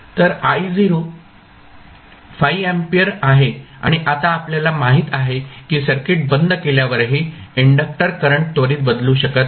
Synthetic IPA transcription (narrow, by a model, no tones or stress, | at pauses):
t̪əɾaid͡ziɾo | fajempijəɾaɦea̰ɽ̃iʔat̪aːpljalamaɦiːt̪aɦekiːsəɾkeʈ̚bənd̪keljaʋəɾɦiːiɳɖək̚ʈəɾkəɾəɳʈ̚t̪oɾiːt̪̚bəd̪lũːɕəkət̪̚